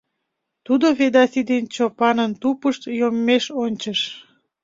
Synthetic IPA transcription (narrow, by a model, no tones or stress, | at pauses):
t̪ud̪oβed̪ɑsid̪ent͡ɕopɑnənt̪upəʃt̪jomːeʃonʲt͡ɕəʃ